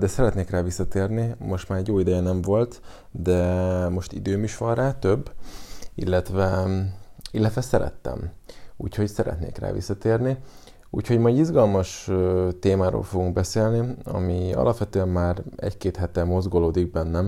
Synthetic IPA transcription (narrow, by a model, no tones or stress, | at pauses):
d̪ɛsɛɾɛt̪neːkraːvisːɒt̪eːrnimo̞ʃt̪maːɾɛɟjoːid̪ɛjɛnɛɱvo̞lt̪ | d̪ɛmo̞ʃt̪ḭd̪øːmiʃʋɒnraːt̪øbːḭlːɛt̪ʋɛ | ilːɛt̪ʋɛsɛɾɛ̰t̪ːɛ̰mṵːcʰho̞csɛɾɛ̰t̪nḛːkra̰ːvḭsːɒt̪eːrni | ṵːcʰho̞ɟmɒjd̪izɡɒlmɒʃt̪eːmaːɾo̰ːlfo̞ɡuŋɡ̚bɛseːlniɒ̰miɒ̰lʔɒpʋɛt̪øːɛmːaːɾɛ̰ckeːt̪hɛt̪ɛmo̞zɡoloːd̪iɡ̚bɛnːɛm